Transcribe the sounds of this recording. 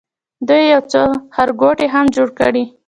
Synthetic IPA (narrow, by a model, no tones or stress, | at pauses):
d̪ujːawt͡səhaɾɡoʈeɦamd͡ʒoɽkə̰ɽi